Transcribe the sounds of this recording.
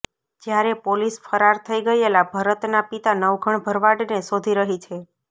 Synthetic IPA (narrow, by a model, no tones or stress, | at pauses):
d͡ʒjaɾepolisfəɾaɾt̪ʰəiɡəjelabʱaɾət̪napit̪anəʋɡʱəɳbʱəɾʋaɽnesod̪ʱiɾəɦit͡ʃʰe